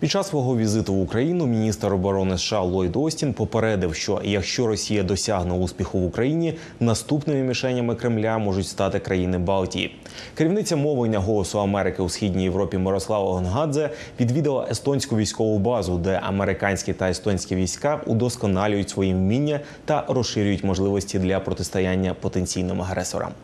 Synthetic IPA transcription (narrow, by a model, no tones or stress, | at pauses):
pʲi̥t͡ʃːɑsːʋɔɦɔʋʲizɪt̪ʊwukɾɐjinʊmʲinʲist̪rɔbɔɾɔnɪsʃɑlˠɔjd̪ɔsʲtʲinpɔpeɾɛd̪ɪwʃt͡ʃɔ̰jɐkʃt͡ʃɔɾɔsʲijɐd̪ɔsʲaɦnɛuspʲixʊʋʊkɾɐjinʲi | nɐst̪upnɪmɪmʲiʃɛnʲːɐmɪkɾɪmlʲamɔʐʊtʲst̪ɑt̪ɪkɾɐjinɪbɑlˠtʲijḭ | keɾʲiwnɪt͡sʲːɐmɔʋlenʲːɐɦɔlˠɔsʊɐmɛɾɪkɪusxʲidʲnʲijeʋɾɔpʲimɪɾɔslˠɑʋɐɦɔnɦɑd̪zɛ | ʋʲid̪ʋʲid̪ɪlˠɐ̰ʔest̪ɔnʲsʲkʊʋʲijsʲkɔʋʊbɑzʊd̪ɛʔɐmeɾɪkɑnʲsʲkʲit̪ɐest̪ɔnʲsʲkʲiʋʲijsʲkɑʔṵd̪ɔskɔnɑlʲʊjʊtʲsʋɔjiʋmʲinʲːɐ | t̪ɐrɔsʃɪɾʲʊjʊtʲmɔʒlˠɪʋɔsʲtʲid̪lʲɐpɾɔt̪ɪst̪ɔjanʲːɐpɔt̪e̞nʲt͡sʲijnɪmɐɦɾɛsɔ̰ɾɐ̰m